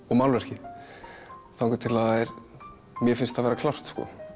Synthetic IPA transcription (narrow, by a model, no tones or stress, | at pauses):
ɔmawlvɛr̥cɪ | θawŋkʏt̪ʰɪlaɛɾ | mjɛfɪnst̪aðvɛːɾakʰlawr̥t̪skɔ̰